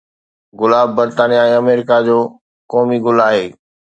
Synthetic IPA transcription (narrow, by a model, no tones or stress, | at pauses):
ɡʊlaːbːɐɾt̪aːnijaẽːɐmeːɾɪkad͡ʑoː | kɔːmiɡʊlaːɦeː